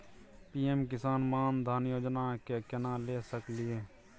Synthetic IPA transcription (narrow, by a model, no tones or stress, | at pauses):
piːemkɪsaːnmaːnd̪ʱaːnjoːd͡ʒnakekɪnalesəklɪe